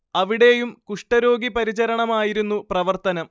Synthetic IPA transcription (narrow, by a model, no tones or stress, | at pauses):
ɐʋiɽe̞jumkuʂʈɐɾo̞ːɡipɐɾit͡ɕɐɾɐɳɐmaːjiɾunːuprɐʋɐrt̪ɐnɐm